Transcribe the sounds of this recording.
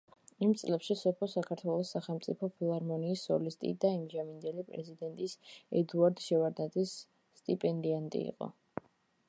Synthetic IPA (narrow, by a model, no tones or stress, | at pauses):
imt̪sʼlɛpʃisɔpʰɔsakʰaɾt̪ʰwɛlˠɔsaχɛlˠmt̪sʼipʰɔpʰilˠaɾmɔniːsːɔlist̪ʼḭd̪aimd͡ʒamind̪ɛlipʼɾɛ̰zid̪ɛnt̪ʼisɛd̪uaɾd̪ʃɛvaɾd̪ad̪isː | t̪ʼipʼɛnd̪iant̪ʼḭḭqʼɔ̰